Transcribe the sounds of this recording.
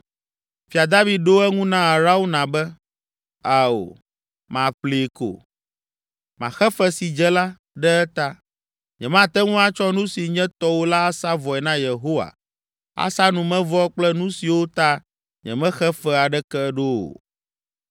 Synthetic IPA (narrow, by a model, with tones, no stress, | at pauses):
fi˨a˨d̪a˦vi˨ɖo˦ɛ˦ŋũ˦nã˦a˨ɾa˦wo˦nã˨bɛ˦ | a˨o̰˨ | mã˨ɸle˨ko̰˨ | mã̰˨xɛ˦fɛ˦si˨d͡ʒɛ˦la˦ | ɖɛ˦ɛ˦t̪a˦ | ɲɛ̃˨mã˦t̪ɛ˦ŋũ˦a˦t͡ʃɔ˦nũ˦si˨ɲɛ̃˦t̪ɔ˦wo˦la˦a˦sa˦vɔ˨ɛ˨nã˦je˨ɦo˦wa̰˨ | a̰˦sa˦nũ˨mɛ̃˦vɔ˦k͡plɛ˦nũ˦si˨wo˦t̪a˦ | ɲɛ̰̃˨mɛ̃˦xɛ˦fɛ˦a˨ɖɛ˦kɛ˦ɖo˦o̰˨